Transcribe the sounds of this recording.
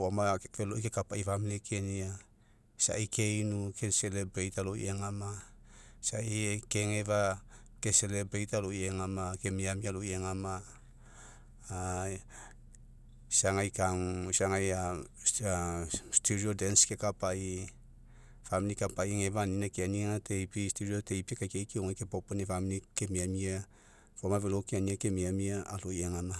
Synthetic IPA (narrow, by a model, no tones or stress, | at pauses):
amafeloikekapaifamilikʰe̞nia | sa̰ikʰe̞jnukʰeselebɾejtaloḭeŋama | saike̞ŋe̞vakese̞lebɾejtalojeŋamake̞miamialoeŋama | saŋajkaŋsaŋajaastuɾiodenske̞kapai | familikapajŋe̞vaninakeaniŋate̞jpistuɾiote̞jpikajkejkeoŋajkepoponefamnike̞miamia | fomavelokeaniake̞miamiaalojeŋama